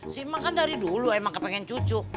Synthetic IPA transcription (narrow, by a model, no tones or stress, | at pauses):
simakandaɾiduluamaŋkəpɛŋɛɲt͡ʃut͡ʃʊ